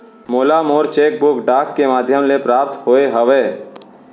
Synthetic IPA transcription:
moːlamoːɾt͡ʃeːk̚bʊkɖaːkːemaːd̪ʱjəmlepɾaːp̚t̪ɦoːeɦəʋeː

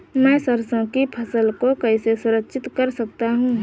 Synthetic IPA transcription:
mɛ̃ːsəɾsõkipʰɐsəlkokɐɪsesʊɾəkːʃʰɪt̪kɐɾsɐk̚t̪aɦũ

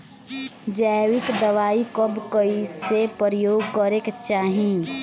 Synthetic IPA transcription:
d͡ʒaʋɪkd̪əʋaːikɔbkəisepəɾjoːɡkɔɾekt͡ʃaːɦĩ

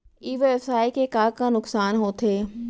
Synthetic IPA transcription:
iːʋɛfsaːikekaːkãnʊksaːnɦoːt̪ʰeː

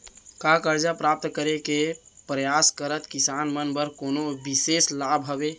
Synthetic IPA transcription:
kakəɾd͡ʒapɾap̚t̪kəɾekepɾəjaskəɾət̪kisanmənbəɾkonobiseslabʱɦəbe

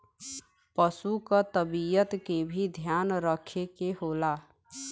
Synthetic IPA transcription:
pəsukət̪əbijət̪kebʱid̪ʱjanɾəkʰekeɦola

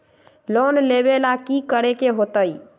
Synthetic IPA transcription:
lonlebelakikəɾekeɦot̪əj

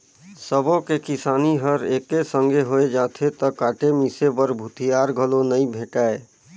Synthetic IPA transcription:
səbõkekɪsaːniɦəɾeːkːesə̃ŋɡʱeɦoed͡ʒaːt̪ʰet̪əkaːʈemisepəɾbʱʊt̪ʰijaːɾɡʱəlonəĩbʱẽːʈaːe

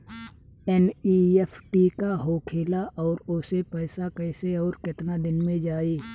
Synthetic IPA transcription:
ɛniɛfʰʈikaɦoːkʰeːlaʔɔːɾʊsepɛːsakɛːseɔːɾkɪt̪nad̪ɪnmẽd͡ʒaːiː

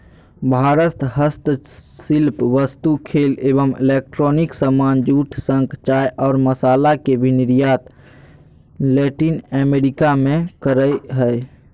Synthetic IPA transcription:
bʱaːɾət̪ɦəst̪silpʋəst̪ukʰeːleːbəmḭlek̚ʈɾɔːniksəmaːnd͡ʒuːʈʰsə̃ŋkt͡ʃaːjʔɔːɾməsaːlakebʱiniɾjaːt̪ | lɛːʈinɛmeɾikamẽkəɾəjɦəe

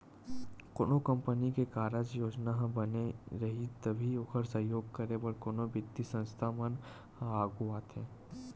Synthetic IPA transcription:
kʊnokə̃mpənikekaːɾəd͡ʒjoːd͡ʒnaɦbɐneɾɐɦit̪ɐbʱiʊkʰəɾsə̃ɦjoːɡ̚kəɾebɐɾkonobɪd̪ːisə̃nst̪ʰamən | aːɡuaːt̪ɛ̃ː

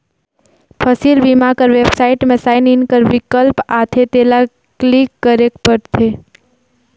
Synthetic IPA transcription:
pʰəsilʋimakəɾʋebsaɪʈmẽsaɪninkəɾʋikəlpat̪ʰet̪ela | klikːəɾekpəɾt̪ʰe

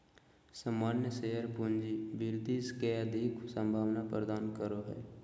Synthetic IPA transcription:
səmːaːnjəseɦəɾpʊɲd͡ʒibɪɾd̪iskeəd̪ʱiksə̃mbʱaːʋnapɾəd̪aːnkəɾoɦɛ̰ː

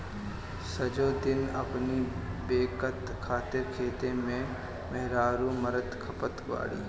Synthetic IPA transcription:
sɐd͡ʒoːd̪ɪnɐ̰pnibeːkət̪ | kʰaːt̪ɪɾkʰeːt̪emẽ | mɛɦɾaːɾuməɾəd̪kʰɐpət̪ɡʋa̰ːɽḭː

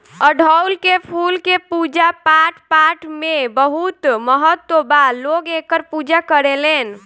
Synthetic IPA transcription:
əɖʱəwlkepʰulkepud͡ʒapaʈʰpaʈmebəɦut̪məɦət̪ːobalːoɡekəɾpud͡ʒakəɾelen

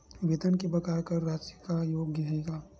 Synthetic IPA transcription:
ʋet̪ənkibɐkaːɾkɐɾːaːsikajoːɡəɦeːɡaː

